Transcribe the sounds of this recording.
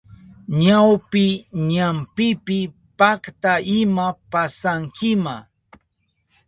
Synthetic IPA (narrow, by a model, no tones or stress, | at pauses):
ɲawpɪɲampɪpɪ | pakt̪aɪmapasaŋkɪma